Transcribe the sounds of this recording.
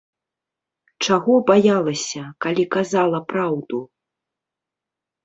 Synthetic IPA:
t͡ʂaɣɔbajalˠɐsʲɐkalʲikazalˠɐpɾawd̪u

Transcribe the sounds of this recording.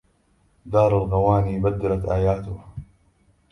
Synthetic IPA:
d̪ɑːɾˤalɣawaːniːbad̪ːalat̪ʔaːjaːt̪ʊh

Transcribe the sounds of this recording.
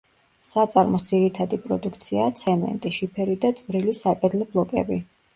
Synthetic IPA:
sat̪sʼaɾmɔsd̪ziɾit̪ʰad̪ipʼɾɔd̪ukʰt̪sʰiat̪sʰɛmɛ̰nt̪ʼiʃipʰɛɾid̪at̪sʼvɾilisakʼɛd̪lɛblˠɔkʼɛ̰bi

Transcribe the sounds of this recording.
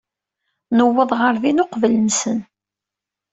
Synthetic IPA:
nəwːəðˤʁəɾðinʊqvələnsən

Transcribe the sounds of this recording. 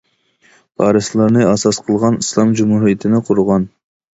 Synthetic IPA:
ɑːɾɨslˠɑɾnɨɑsɑsqʰəlˠʁɑnislˠɑmd͡ʒumhuɾijət̪ʰɪnɪqʰʊɾʊʁɑn

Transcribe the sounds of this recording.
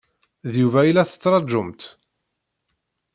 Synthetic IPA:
ðjuvæilːæθə̥t͡sːɾˤɑd͡ʒːʊmt̪

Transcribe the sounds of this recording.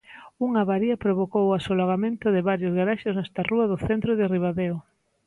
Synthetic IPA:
uŋaβaɾiɐpɾoβokowasolaɣamẽnt̪ʊðɪβaɾjozɣaɾaʃeznɛst̪aruɐðʊθent̪ɾoðɪriβ̞aðeo

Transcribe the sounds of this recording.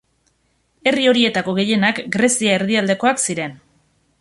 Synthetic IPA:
e̞rio̞ɾie̞t̪ako̞ɣ̞e̞je̞nakɡɾe̞siaeɾðiald̪e̞ko̞aksiɾe̞n

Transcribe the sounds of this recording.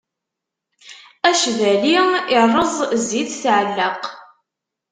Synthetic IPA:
æʃvæliɪrˤəzˤziðθʕəlːəq

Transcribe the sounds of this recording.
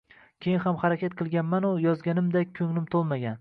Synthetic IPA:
kʲʰejɪnhamχaɾakʲʰat̪̚qʰɨlˠɡʲanmanʊjɒzɡʲanɪmd̪akʲʰɵŋlɪmt̪ʰolˠmaɡʲan

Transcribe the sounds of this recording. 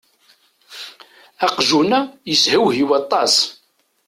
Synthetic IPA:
æqʒunæjəshəwɦiwɑt̪ˤːɑs

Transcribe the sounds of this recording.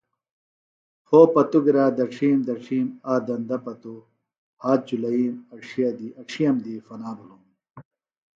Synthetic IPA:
foːpɐt̪uɡɾaːd̪ɐʈ͡ʂʰiːmd̪ɐʈ͡ʂʰiːmaːd̪ɐnd̪ɐpɐt̪u | haːt̪̚d͡ʑulɐiːmɐʈ͡ʂʰijɐd̪iɐʈ͡ʂʰijɐmd̪ifɐnaːbulum

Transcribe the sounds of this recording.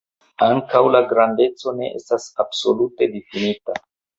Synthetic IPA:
aŋkawlaɡɾande̞t͡so̞ne̞̰ʔḛstasab̥so̞lute̞difinita

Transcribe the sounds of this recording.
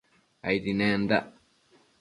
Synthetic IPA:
a̰itinɛnda̰

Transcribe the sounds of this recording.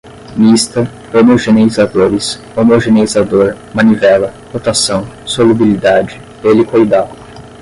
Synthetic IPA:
mist̪ɐ | omoʒeneizad̪oɾɪs | omoʒeneizad̪oɾ | mɐ̃nivɛlɐhot̪asɐ̃w̃solubilid̪ad͡ʒɪ | elɪkojd̪adʊ

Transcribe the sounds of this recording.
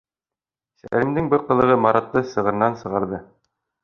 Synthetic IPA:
sæ̰ɾɘ̆md̪ɘŋbɘɾqɤ̆lˠɤ̆ʁɤmɑɾɑt̪ːɤsɤ̆ʁɤ̆ɾ̆nɑnsɤ̆ʁɑɾðɤ

